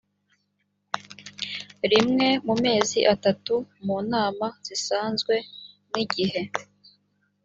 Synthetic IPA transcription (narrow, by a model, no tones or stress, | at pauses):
ɾimŋe̞mume̞ːzḭʔatatumuːnaːmaz̥isaːnzɡwe̞ | niɟihe̞